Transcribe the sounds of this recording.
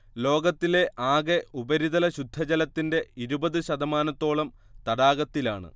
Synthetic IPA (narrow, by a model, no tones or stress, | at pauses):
lo̞ːɡɐt̪ːile̞ʔʔaːɡe̞ubɐɾiðɐlɐɕud̪ʱːɐd͡ʑɐlɐt̪ːinde̞iɾubɐðɨɕɐðɐmaːnɐt̪ːo̞ːɭɐm | t̪ɐɽaːɡɐt̪ːilaːɳɨ̰